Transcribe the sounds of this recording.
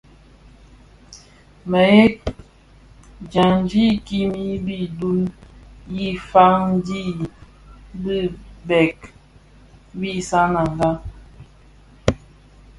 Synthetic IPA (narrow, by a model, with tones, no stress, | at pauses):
mə˨e˦k | d͡ʒa˨n˦d͡ʒi˦ki˦mi˦bi˦du˦lji˦fa˦ŋn˦di˦ | bi˦bɛ˨k̚ | bi˦sa˦na˨ŋɡa˦